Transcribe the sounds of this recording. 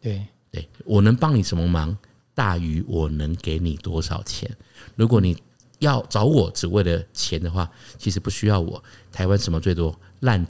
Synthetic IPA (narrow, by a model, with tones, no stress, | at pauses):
t̪e˥t̪we˥˩ɪwʔɔ˨˩nə˧˥ŋpɑ˥ŋni˨˩ʂə˧˥nmə˧mɑ˧˥ŋ | t̪a˥˩y˧˥wɔ˨˩nə˧˥ŋke˧˥ɪni˨˩t̪wɔ˦ʂɑ̰˨˩ʊt͡ɕʰjɛ̰˧˦nɻu˧˥k̬wɔ˨˦ni˨˩ | jɑ˥˩ʊt͡sɑ˧˥ʊwɔ˨˩ʈ͡ʂɻ̩˨˩we˥˩ɪlə˩t͡ɕʰjɛ˧˥nd̪ə˨xwa˥˩t͡ɕʰi˧˥ʂ̬ɻ̩˧˥pu˥˩ɕy˥jɑ˥˩ʊwɔ̰˨˩˦t̪ʰa˧˥ɪwa˦˥nʂə˧˥mə˧t͡swe˥˩ɪt̪wɔ˥ | la˥˧n